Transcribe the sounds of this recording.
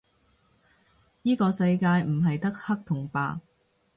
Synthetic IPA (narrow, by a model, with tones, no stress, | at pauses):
jiː˥kɔː˧sɐ˧jkaː˧jm̩˨˩ɦɐ˨jt̪ɐ˥k̚hɐ˥k̚t̪ʰʊ˨˩ŋpaː˨˧